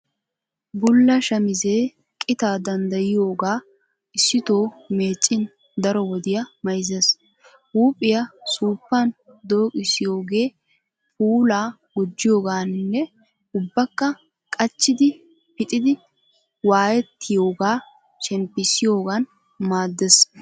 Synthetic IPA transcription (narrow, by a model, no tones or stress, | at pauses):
bʊlːɐʃɐmɪze̞ː | kʼɪt̪aːd̪ɐnd̪ɐjɪjo̞ːɡaː | ɪsːɪt̪o̞ːme̞ːt͡ʃʼːɪn | d̪ɐɾɔwɔd̪ɪjɐmɐjzes | uːpʼːɪjɐsuːpːɐn | d̪o̞ːkʼɪsːɪjo̞ːɡe̞ː | pʰʼuːlaː | ɡʊd͡ʒːɪjo̞ːɡaːnnːɛ | ʊbːɐkːɐ | kʼɐt͡ʃːɪd̪ɪ | pɪt̪ʼɪd̪ɪ | waːjɛt̪ːɪjo̞ːɡaː | ʃɛmpːɪsɪjo̞ːɡɐn | maːd̪ːɛs